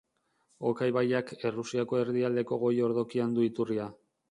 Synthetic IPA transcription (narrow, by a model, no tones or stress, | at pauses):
o̞kajβajake̞rusiako̞e̞ɾðiald̪e̞ko̞ɣ̞o̞jo̞ɾðo̞kiand̪uit̪uria